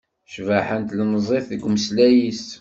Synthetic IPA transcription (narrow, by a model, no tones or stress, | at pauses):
ʃvaħənt̪lnəzˤeθəɡməslæjis